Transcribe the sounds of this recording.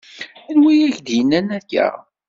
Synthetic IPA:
ænwijæçd̪jənːænækːæ̰

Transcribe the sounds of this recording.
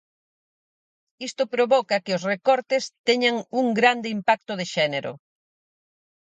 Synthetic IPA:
ist̪ʊpɾoβɔkɐkɪʊsrekɔɾt̪ɪst̪ɛɲaŋuŋɡɾand̪ɪimpak̚t̪ʊðeʃɛneɾʊ̰

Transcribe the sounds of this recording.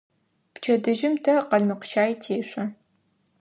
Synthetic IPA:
pt͡ʃʰɐdɨʒɪmtʰɐqɐɮmɨqʃaːjitʰeːɕʷʼɐ

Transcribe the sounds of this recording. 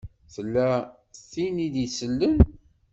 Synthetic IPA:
θəlːæ | θinid̪isəlːən

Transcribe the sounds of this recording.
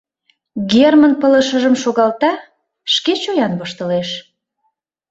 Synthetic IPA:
ɡermənpələ̆ʃəʒəmʃoɣɑlt̪ɑ | ʃket͡ɕojɑnbəʃt̪əleʃ

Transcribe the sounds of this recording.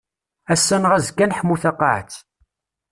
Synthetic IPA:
æsːænʁæzkːænħmːuθɑqːɑʕt͡s

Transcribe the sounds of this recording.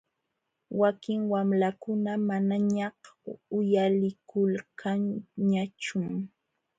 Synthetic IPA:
wakɪŋwamlakʊnamanaɲɑhʊjalɪkʊlkʰanɲat͡ʃʊm

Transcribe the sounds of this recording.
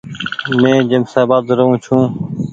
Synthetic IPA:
mẽːd͡ʒəmsaːbaːd̪ɾəɦũːt͡ʃʰũː

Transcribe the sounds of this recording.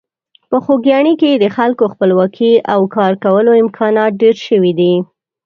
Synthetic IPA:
pəxoɡjɑɳiked̪əxalkoxpəlwɑkʰiawkɑɾkawəloɪmkʰɑnɑt̪̚ɖeɾʃəwid̪i

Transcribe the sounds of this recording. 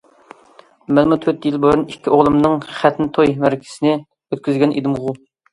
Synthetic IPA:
mɛlmut̪ʰøt̪jilˠbojunikʲʰːiʔoʁlˠɨmnɨŋχɛt̪nɨt̪ʰojmæɾkʲʰɪ̥sɪnɪ | øt̪̚kʲʰyzɡʲɛnʔid̪ɨmʁʊ

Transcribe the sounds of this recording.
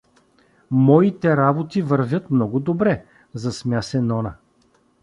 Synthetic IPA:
mɔit̪ɛɾabot̪ivəɾvʲət̪mnɔɡʊd̪obɾɛ | zɐsmʲjasɛnɔnɐ

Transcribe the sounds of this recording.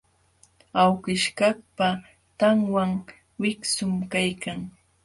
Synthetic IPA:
awkɪʃkɑkpa | t̪aŋwaŋ | wɪksʊmkajkaŋ

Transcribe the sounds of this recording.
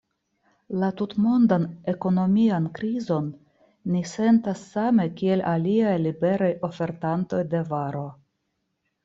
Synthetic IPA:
latutmo̞ndane̞ko̞no̞miankɾizo̞nː | ise̞ntasːame̞kie̞lʔaliajlibe̞ɾajʔo̞fe̞ɾtanto̞jde̞vaɾo̞

